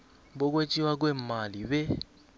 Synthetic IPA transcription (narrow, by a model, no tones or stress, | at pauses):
bɔk̬wet͡ʃʼiwak̬wɛmalibɛ